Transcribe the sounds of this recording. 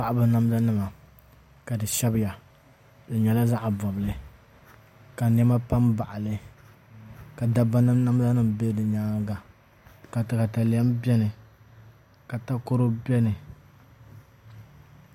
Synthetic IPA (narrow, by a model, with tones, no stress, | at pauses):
pa˦ʔa˦bɨ˨na˦m˦za˦nɨ˦ma˨ | ka˨dɨ˨ʃɛ˦bɪ˦ja˨ | dɨ˨ɲɛ˨la˦za˦ʔbɔ˨bɨ˨lɨ˨ | ka˨n˦ɛ˦ma˦pa˦mba˨ʔa˨lɨ˨ | ka˨da˦ba˦nɨ˦na˦m˦za˦nɨ˦m˨be˦dɨ˨ɲaː˦ɡa˨ | ka˨tɨ˨ka˨ta˨li˨ɛ˦mbɛ˦nɨ˨ | ka˨ta˦ko˦ɾo˦bɛ˦nɨ˨